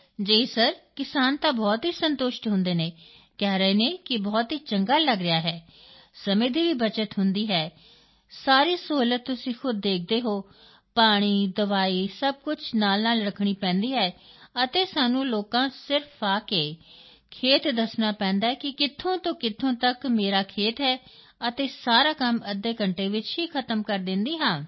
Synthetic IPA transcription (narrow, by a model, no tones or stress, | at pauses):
d͡ʒeːisəɾkɪsaːnt̪ãːbɔːt̪ɦiːsənt̪oːʃʈɦʊnd̪eːneː | kɛːɾəɦeːnẽːkɪbɔːt̪ɦiːt͡ʃəŋɡaːləɡɾɪjaːɦɛːsəmẽːd̪iːʋiːbət͡ʃət̪ɦʊnd̪iːɦɛː | saːɾiːsəɦuːlət̪ːʊsĩːxʊd̪̚ːeːk̚ʰd̪eːɦoː | paːɽ̃iːd̪əʋaːiːsəb̚kʊt͡ʃʰnaːlnaːlɾəkʰɽ̃iːpɛ̃ːnd̪iːɦɛːət̪eːsaːnũːloːkãːsɪɾfʰaːkeː | kʰeːt̪d̪əsnaːpɛ̃ːnd̪aːɦɛːkɪkɪt̪ʰːõːt̪õːkɪt̪ʰõːt̪əkmeːɾaːkʰeːt̪ɦɛː | ət̪eːsaːɾaːkəməd̪eːkəɳʈeːʋɪt͡ʃɦiːkʰət̪əmkəɾd̪ɪnd̪iːɦãː